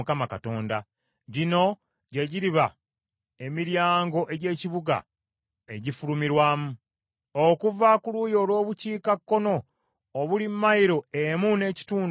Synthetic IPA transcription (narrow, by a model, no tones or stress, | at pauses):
kamakato̞ːnda | ɟino̞ | ɟe̞ɟiɾiβa | emiɾjaːŋɡo̞ʔe̞ɟe̞ːciβuɡa̰ | eɟifulumiɾwaːmu | okuvakulujo̞ːlwo̞ːβuciːkakːo̞no̞ː | βulimːajiɾo̞emune̞ːci̥tuːn